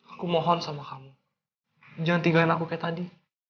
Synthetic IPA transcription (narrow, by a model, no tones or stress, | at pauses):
akumɔɦɔnsamakamu | d͡ʒaŋant̪iŋɡaanakukajat̪adi